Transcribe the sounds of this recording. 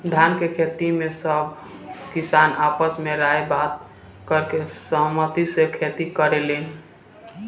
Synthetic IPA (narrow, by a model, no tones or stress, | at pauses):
d̪ʱankekʰet̪imesəbʱ | kisanapəsmeɾaebat̪̚ | kəɾkesəɦmət̪isekʰet̪ikəɾelen